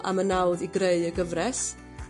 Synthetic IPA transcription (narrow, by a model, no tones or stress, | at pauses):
ʔa̰mənawðiɡreɨəɡəvrɛs